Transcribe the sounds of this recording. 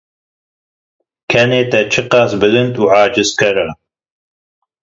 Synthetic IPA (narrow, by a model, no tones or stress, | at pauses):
kʰɛneːt̪ɛt͡ʃʰɨqaːsbɨlɨnt̪ʼuːʕaːd͡ʒɨskʰɐɾa